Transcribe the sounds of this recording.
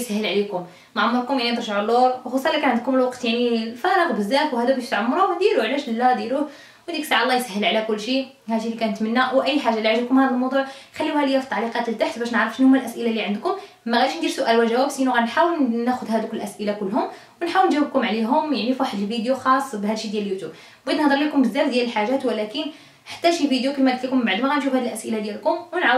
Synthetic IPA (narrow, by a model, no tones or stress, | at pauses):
sæhːəlʕlikʊm | nʕamːɑɾkʊmjaʕnint̪ɾˤʒaʕulːuɾwxɑsˤɑlːikænʕənd̪kʊməlwɑqt̪jaʕnilfɑɾˤəqbəzːæfwhæd̪ubæʃt̪ʕʊmːɑɾˤʊwnd̪iɾuʕlæʃlːæd̪iɾuh | wd̪iksaʕɑlˤːɑjsæhːəlʕalækʊlːʃi | hæʃilːikænət̪mənːæwʔæjːħaʒːaliʕaʒəb̚kʊmhæd̪ælmɑwd̪ˤuʕxælːiwhæləjæft̪ˤːɑʕliqɑt̪əlt̪aħt̪bæʃnəʕɾəfʃənhʊmːælʔæsʔəlalːiʕənd̪kʊm | mːæɣæd̪iʃnd̪iɾsʊʔælwæʒæwæbsʔinuɣænħawəlnæxʊd̪hæd̪uklʔæsʔəlakʊlːhʊm | wnħawəlnʒæwəb̚kʊmʕliɦʊmjaʕnifiwaħəd̪əlvid̪juxɑsˤːbɦæd̪ʃid̪jæljut̪jub | bʕid̪nəhd̪ˤəɾˤlikʊmbəzːæmd̪jæləlħaʒæt̪wəlækən | ħḁt̪ːæʃifid̪jukimæd̪t̪likʊmbaʕd̪mæɣænʃ̬ufhæd̪ilʔæsʔəlad̪jælkʊmwənʕaw